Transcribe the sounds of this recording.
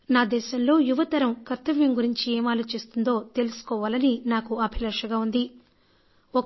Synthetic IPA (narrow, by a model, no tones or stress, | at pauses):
naːd̪ɛːʃɐmlo̞ːjuʋɐt̪ɐɾɐmkɐɾt̪ːɐʋjɐmɡuɾiɲt͡ʃieːmaːloːt͡ʃist̪und̪o̞ːt̪e̞lusu̥kɔːʋaːlɐninaːkuɐbʱilɐɾʂɐɡaːund̪i | ɔk